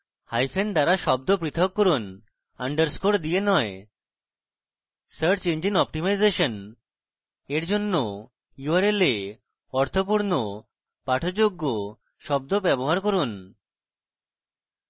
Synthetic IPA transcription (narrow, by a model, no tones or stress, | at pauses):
hajfʰend̪aɾaʃɔb̚d̪opɾit̪ʰokːoɾun | aɳɖəɾskoɽd̪ienɔe | səɾɾt͡ɕend͡ʑinɔp̚ʈimajzeʃon | eɾd͡ʑonːo | juaɾele | ɔɾt̪ʰopuɾno | paʈʰod͡ʑoɡːo | ʃɔb̚d̪obɛboɦaɾkoɾun